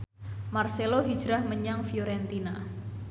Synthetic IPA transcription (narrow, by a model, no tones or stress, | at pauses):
marseloɦi̥d͡ʒɾahməɲaŋfioɾɛnt̪ina